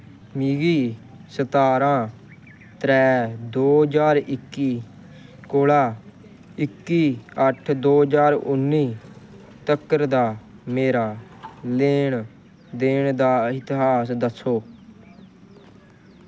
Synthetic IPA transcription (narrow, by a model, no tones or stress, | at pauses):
miːɡiː | sət̪aːɾãː | t̪ɾɛːd̪oːd͡ʒaːɾɪkːiː | koːlaː | ɪkːiːəʈʰd̪oːd͡ʒaːɾʊ̰nːiː | t̪əkːəɾd̪aːmeːɾaːleːɳ | d̪eːɳd̪aːɪt̪ɪɦaːsd̪əsoː